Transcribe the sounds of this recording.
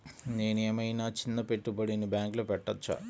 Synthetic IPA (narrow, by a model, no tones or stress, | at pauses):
neːnijɐmɐjnaːt͡ɕinːɐpeʈːubɐɽinɨbaːŋɡlɐpeʈːɐt͡ɕːɐ̰